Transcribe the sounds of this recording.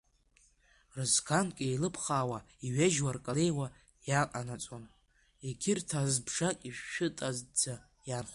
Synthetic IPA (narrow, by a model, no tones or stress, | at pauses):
rɨzkʰankʲʼejlɨpʰχaːwa | iɥaʒwarkʼale̞jwa | jaqʼanat͡sʼon | eɡʲʰɪrtʰazbʐakʲʼiʃᶣːʊɨtʼazd͡za | janχ